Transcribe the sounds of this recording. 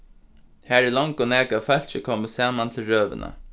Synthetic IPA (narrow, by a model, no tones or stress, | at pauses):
hæːɹɛlɔŋkʊnæːkafœl̥t͡ʃɪkʰɔːməsaːmant̪ʰɪlɹøːʋɪ̰na̰